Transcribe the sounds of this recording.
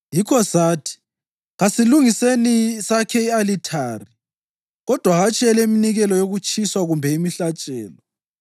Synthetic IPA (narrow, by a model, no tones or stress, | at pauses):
jikʰɔsaːtʰi̥ | ɣasiluŋisenisakʰɛialitʰaːri | ɣɔd̥ʱwaɣat͡ʃʼɛlɛiminiɣɛlɔjoɣut͡ʃʼʰiswaɣumbʱɛimiɬat͡ʃʼɛːlɔ